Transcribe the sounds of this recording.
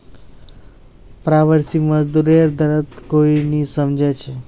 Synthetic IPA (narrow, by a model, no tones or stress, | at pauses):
pɾaʋəɾsiməd͡ʒd̪uɾəɾd̪ʱəɾət̪koinisəmd͡ʒet͡ʃʰe